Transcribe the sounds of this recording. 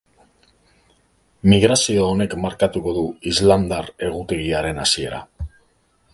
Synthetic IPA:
miɣ̞ɾasio̞ːne̞kmaɾkat̪uko̞ðuizland̪are̞ɣ̞ut̪e̞ɣiaɾe̞nasie̞ɾa̰

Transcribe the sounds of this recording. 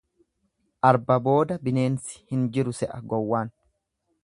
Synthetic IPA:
ʔɐɾbɐbo̞ːd̪ɐbɪne̞ːnsɪ̥hɪnd͡ʒɪɾʊsɛʔɐɡɔwːaːn

